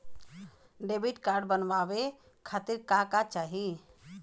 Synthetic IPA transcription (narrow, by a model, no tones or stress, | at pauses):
ɖebiʈkaɾɖbənʋabe | kʰat̪iɾkãkat͡ʃaɦi